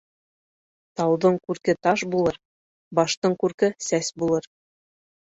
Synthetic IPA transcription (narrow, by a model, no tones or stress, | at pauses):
t̪ɑwd̪ɤɴkʉɾkɘt̪ɑʃbulˠɤɾ | bɑʃt̪ɤɴkʉɾkɘsæsbulˠɤɾ